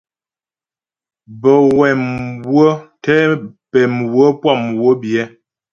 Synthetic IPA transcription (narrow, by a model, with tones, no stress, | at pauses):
bə˨wɛ˨mwwə˦tɛ˦pɛ˨m˨wə˦pwa˦˨m˨wə˦bjɛ˦